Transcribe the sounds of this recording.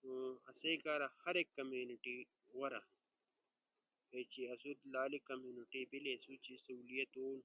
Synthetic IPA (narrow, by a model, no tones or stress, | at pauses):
oɐsekaːɾɐhɐɾekːɐmjuniʈi | wɐɾa | et͡ɕiɐsud̪laːlikɐmjuːniʈibilesut͡ɕisɐuːlijɐt̪oːn